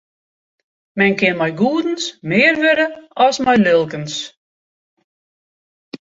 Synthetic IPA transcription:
mɛnkɪnmɛjɡuədn̩smɪːrʋøɾəɔsmɛjlølˠkəns

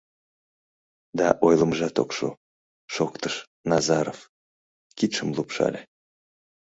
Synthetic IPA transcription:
d̪ɑʔojlˠəmʒɑt̪okʃṵ | ʃokt̪əʃ | nɑzɑɾof | kit̪ʃəmlˠupʃɑ̰lʲe

